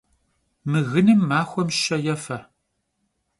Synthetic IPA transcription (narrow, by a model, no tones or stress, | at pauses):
mɨɣɨnɨmːaːxʷɔmʃɕɐjɛfɐ